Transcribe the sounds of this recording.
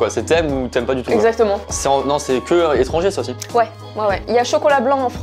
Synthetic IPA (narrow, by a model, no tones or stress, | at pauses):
kwasɛt̪ɛmut̪yɛmpad̪yt̪uɛɡzak̚t̪əmɑ̃sɛɑ̃nɔ̃sɛkʲəet̪χɑ̃ʒesaosiwɛ | wɛwɛiljaʃɔkɔlablɑ̃ːfχ